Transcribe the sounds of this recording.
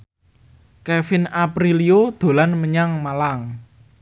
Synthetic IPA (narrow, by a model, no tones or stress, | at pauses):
kefɪnapɾiliod̪̥o̤lanməɲaŋmalaŋ